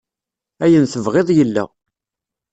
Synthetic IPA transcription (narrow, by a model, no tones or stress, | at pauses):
æjənθəvʁeðˤjəlːæ̰